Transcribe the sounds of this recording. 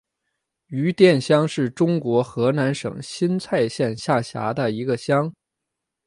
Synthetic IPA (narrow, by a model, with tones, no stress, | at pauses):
y˧˥t̪jɛ˥˩nɕjɑ˥ŋʂɻ̩˥˩ʈ͡ʂʊ˥ŋkwɔ˧˥xɤ˧˥na˧˥nʂɤ̰˨˩ŋɕi˥nt͡sʰa˥˧ɪɕjɛ˥˧nɕja˥˩ɕja̰˧˥d̪ə˧i˧˥ɡə˧ɕjɑ˥ŋ